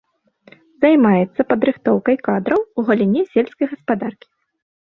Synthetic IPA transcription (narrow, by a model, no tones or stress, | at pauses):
zajmajɛt̪sːɐpɐd̪ɾɨxt̪ɔwkɐjkad̪ɾɐwuɣɐlʲinʲɛsʲɛlʲsʲkɐjɣɐspad̪arkʲi̥